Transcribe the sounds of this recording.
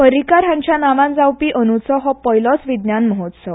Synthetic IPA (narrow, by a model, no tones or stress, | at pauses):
pəɾikaɾɦãɲt͡ɕjanaʋãnd͡zawpiːʔənut͡sɔɦɔpɔjlɔsʋid̪njanməɦot̪sɔ